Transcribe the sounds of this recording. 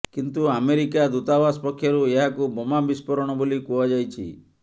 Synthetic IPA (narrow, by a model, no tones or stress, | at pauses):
kint̪uameɾikad̪ut̪abaspɔkʰjɔɾueɦakubɔmambispɔɾɔɽ̃ɔbolikuad͡ʒajt͡ʃʰḭ